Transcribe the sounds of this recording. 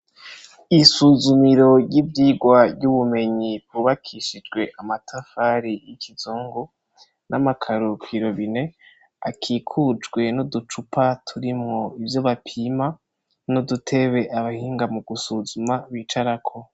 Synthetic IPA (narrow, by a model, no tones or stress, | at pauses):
isuzumiɾo̞jiːbɟiːɡwavɟuβume̞ɲibuβakʰiʃid͡ʒɡwe̞ʔamatʰafaɾijikizuːŋɡo | namakʰaɾukʰiɾo̞βine̞ | a̰kʰiːkʰud͡ʒɡwe̞nodut͡ʃupʰatʰuɾimŋo̞ivjo̞βapʰima | nodutʰe̞βe̞ʔaβahiːŋɡamuɡusuzumaβiːt͡ʃaɾakʰo̞